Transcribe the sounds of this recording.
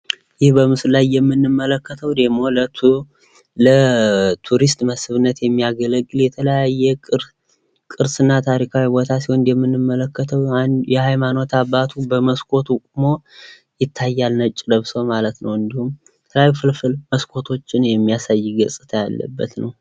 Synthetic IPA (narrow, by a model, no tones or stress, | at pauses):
jɪhbəmɨsllajːɛmːɨnːɨmːələkːət̪ʰəwd̪əmo̞lə | lət̪ʰuɾist̪məsɨβɨnːət̪jɛmːijaɡələkʼːɨljɛt̪ʰələjajːɛ | kʼɨɾsɨnːat̪ʰaɾikʰawibo̞t̪ʰasiho̞njɛmːɨnːɨmːələkːət̪ʰəwjɛhajmano̞t̪ʰabːat̪ʰubəməskʰʼo̞t̪ʰukʼmo̞ | jɪt̪ʰːajːalnət͡ʃʼːd̪əβsomalət̪nəwɨnd̪ihum | t̪ʰəlafɨlfɨlməskʰʼo̞t̪ʰo̞t͡ʃːɪnjɛmːijasajːɪɡəsʼɨ̥t̪ʰəja̰lːə̰bːə̰t̪nəw